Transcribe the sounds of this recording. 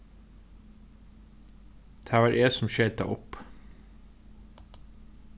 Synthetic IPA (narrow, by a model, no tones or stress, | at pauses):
d̪̥ʰæːʋɑːɾʔeːsɔmʃeːd̪ɑ̰ʔɔp